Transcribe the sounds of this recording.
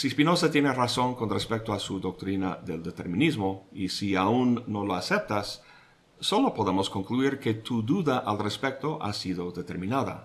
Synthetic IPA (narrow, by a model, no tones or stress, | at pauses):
sispinosat̪jeneraso̞ŋko̞nrespek̚t̪oasuðo̞k̚t̪ɾina̰ðe̞ld̪e̞t̪e̞̰ɾmĩnizmo̞isiaunːo̞loase̞p̚t̪asː | o̞lo̞po̞ðe̞mo̞sko̞ŋkluiɾke̞t̪uðuðaʔalrespek̚t̪o̞ʔa̰siðo̞ðet̪e̞̰ɾmĩnaða̰